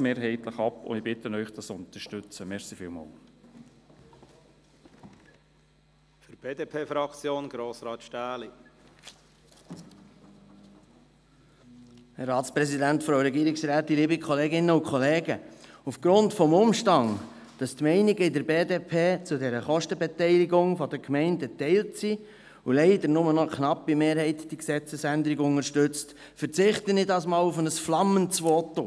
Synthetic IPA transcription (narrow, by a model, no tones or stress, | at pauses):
meːɾɦɛɪt̪ləχɑpʊ̰ɪbɪt̪ənœʏχd̥ɑsʊnt̪əʃtʏt͡səmɛɾsifɪ̰ːlmɑ̰l | fyɾb̥eːdepʰeːfɾɑkt͡sjoːnɡ̥ɾoːsɾɑːt̪ʃtæːli | hɛɾɾɑːt̪spɾɛsidæntfɾoʊɾɛɡiːɾɪksɾæːtdiliːbikʰɔleːɡɪnːəʊkχɔleːɡəufɡ̥ɾʊntfɔmʊmʃtɑŋ | d̥ɑst̪mɛɪniɡəɪdəɾbeːdeːpʰeːt͡sud̪ɛɾəχɔʃtəbɛtɛɪliɡʊŋfɔd̪əkʰmɛɪndət̪ɛɪltsi | ulɛɪd̪əɾnʊmənɔkʰnɑpːimeːɾɦɛɪtd̥iksɛt͡səsænd̪əɾiɡʊŋəɾʃtʏt͡st | fəɾt͡sɪχt̪ənɪdɑsmɑːlufənəsflɑməntsʋɔt̪o